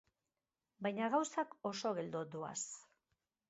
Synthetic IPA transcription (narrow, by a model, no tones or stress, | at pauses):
bajɲaɣawsako̞so̞ɣe̞ld̪od̪ua̰s